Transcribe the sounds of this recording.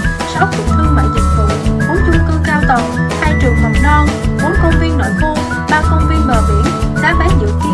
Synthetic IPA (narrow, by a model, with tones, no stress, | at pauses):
sɔ˨˦wt̪ʰi˨˩k̚kɨ˧ma̰ː˧˨jzə˨˩t̚t̪ɨ̰˨˩˨wɓo˨˦nt͡ɕu˧ŋkɨ˧kaː˧wt̪ə˨˩whaː˧jt͡ɕəŋmə˨˩w̚nɔ˧nɓo˨˦nkə˧wŋ͡mvi˧ənːo̰˧˨jko˧ | ɓaː˧kə˧wŋ͡mvi˧ənɓaː˨˩ɓḭ˧˩ənɗa̰ː˨˥ɓaː˨˦nzɨ̰˧˨k̪i˨˦